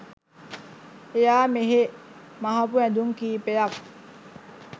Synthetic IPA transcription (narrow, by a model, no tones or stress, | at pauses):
ejaːmeɦe | maɦapuɛ̃d̪uŋkiːpejɐk